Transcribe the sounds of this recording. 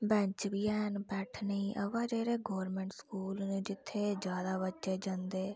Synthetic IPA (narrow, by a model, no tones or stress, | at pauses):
bɛ̃ːɲt͡ʃbiːɛːnbɛːʈʰnəĩːʔəʋãːd͡ʒeːɾeːɡɔːɾmɛ̃ːɳʈskuːlnẽːd͡ʒɪt̪ʰːeːd͡ʒjaːd̪aːbətːʃeːd͡ʒə̃nd̪eː